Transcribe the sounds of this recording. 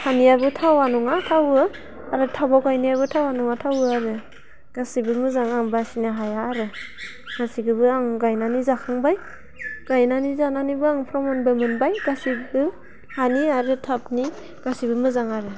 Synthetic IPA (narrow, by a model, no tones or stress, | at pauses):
hanijabɯtʰawanuŋatʰawɯ | aɾɯtʰabawɡajnijabɯtʰawanuŋatʰawɯaɾɯ | ɡ̥asibɯmɯzaŋaŋbasinaɦajaːɾɯ | ɡ̥asiɡɯbɯaŋɡajnanizakʰɯŋbaj | ɡ̥ajnanizananibɯaŋpʰɾɔmɔnbɯmɯnbajɡasibɯ | haniaɾɯtʰap̚ni | ɡ̥asibɯmɯzaŋaɾɯ